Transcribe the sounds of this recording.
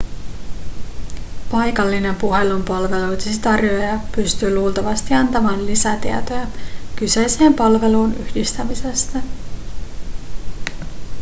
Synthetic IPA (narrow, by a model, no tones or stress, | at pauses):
pɑjkɑlːine̞mpuɦe̞lumpɑlʋe̞lujt̪sit̪ɑrjoejɑpyst̪yːluːlt̪ɑʋɑst̪iɑnt̪ɑmɑːnlisæt̪iæ̰t̪ojækysejse̞ːmpɑlʋe̞luːnyhdist̪æmise̞st̪æ